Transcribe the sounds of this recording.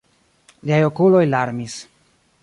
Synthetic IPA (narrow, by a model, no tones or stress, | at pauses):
liajo̞kulo̞jlaɾmis